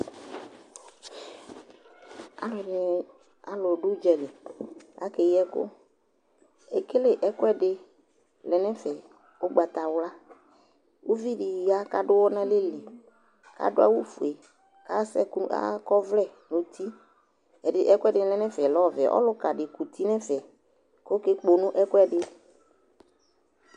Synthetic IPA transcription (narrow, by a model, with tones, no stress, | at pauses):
a̰˨l | a˨lʊ˨ɖʊ˦d͡ʒɛ˨ɖɪ˨a̰˦ke˨jɛ˦kʊ̰˦ | ɛ˨ke˦le˦ʔɛ˦kʊ˦ɛ˦ɖɪ˨ | lɛ˨nɛ̃˦fɛ˨ | o˦ɡ͡ba˨t̪a˨wla˦ | wu˦vi˦ɖi˨ja˦ka˨ɖʊ˦wɔ˦nã˦lɪ˦lɪ˨ | ka̰˨dʊ˦a̰˦wu˦fu˨e˨ | ka˦sɛ̰˦ka̰˦kɔ˦vlɛ˦˨nʊ̃˨t̪ʰi˦ | ɛ˨dɪ˨ʔɛ˦kʊ˦ɛ˦ɖɪ˨lɛ˦nɛ̃˦fɛ˨lɔ˦˨vɛ̰˨ʔɔ̰˦lʊ˦ka˨ɖɪ˨ku˨t̪ʰi˦nɛ̃˦fɛ˨ | ko˦kɪ˦k͡po˨nʊ̃˦ʔɛ˦kʊ˦ɛ˦ɖɪ˦